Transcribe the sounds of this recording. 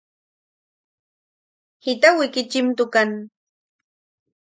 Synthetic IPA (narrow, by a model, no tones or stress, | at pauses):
hɪt̪awɪkɪt͡ʃɪmt̪ʊkaŋ